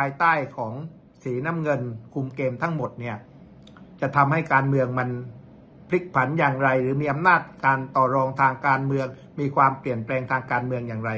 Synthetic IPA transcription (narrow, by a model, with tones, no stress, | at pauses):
pʰaː˧jt̪aː˥˩jkʰɔː˩˦ŋ | siː˩˦naː˥˨mŋɤ˧nkʰu˧mkeː˧mt̪ʰa˦˥˩ŋmo˨˩t̪̚ni˥˩ɐ | t͡ɕa˨˩t̪ʰa˧mha˥˩jkaː˧nmɯ˧əŋma˧n | pʰli˦˥˩k̚pʰa˩˦njaː˨˩ŋɾa˧jɾɯː˩˦miː˧ʔa˧mnaː˥˩t̪̚kaː˧nt̪ɔː˨˩ɾɔː˧ŋt̪ʰaː˧ŋkaː˧nmɯ˧əŋ | miː˧kʰwaː˧mpli˨˩ənplɛː˧ŋt̪ʰaː˧ŋkaː˧nmɯ˧əŋjaː˨˩ŋɾa˧j